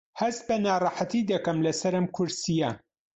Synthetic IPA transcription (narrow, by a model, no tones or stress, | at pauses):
hɐst̪̚bɐnaːrˤɑːħat̪id̪ɐkɐmlɐsɐɾɐmkʰʊɾsijɐ